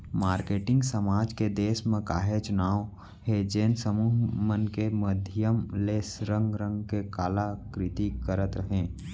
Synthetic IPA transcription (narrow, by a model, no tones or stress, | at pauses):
maːɾkeːʈɪ̃ŋɡsəmaːd͡ʒked̪eːsmẽka̰ːɦet͡ʃʊnaːw | hed͡ʒeːnsəmuːɦmənkeməd̪ʱjəmleːsɾə̃ŋɡɾə̃ŋɡkekaːlakɾɪt̪ikəɾət̪ɾəɦẽː